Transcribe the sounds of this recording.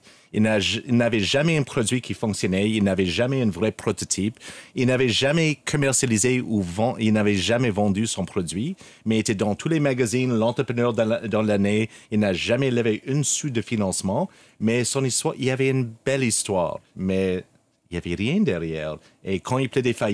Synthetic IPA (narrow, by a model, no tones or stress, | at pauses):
ilnailnavɛʒamɛɛ̃pχɔd̪ɥikʰifɔ̃ksjɔnɛilnavɛʒamɛɛ̃nvʁɛpɾɔt̪ɔt̪ʰipilnavɛʒamɛkʰɔmɛʁsjalizeuvɑ̃ilnavɛʒamɛvɑ̃d̪ysɔ̃pχɔd̪ɥi | mɛet̪ɛd̪ɑ̃t̪ʰulɛmaɡazinlɑ̃t̪ʁəpχənœʁd̪d̪ɑ̃laneilnaʒamɛləveʔynsyt̪̚d̪əfinɑ̃smɑ̃ | mɛsɔ̃nist̪waʁilavɛynbɛlist̪wa̰ːʁmɛ | ilavɛʁjɛ̃d̪ɛʁjɛ̰ːʁ | ekʰɑ̃ilpʰlɛd̪efa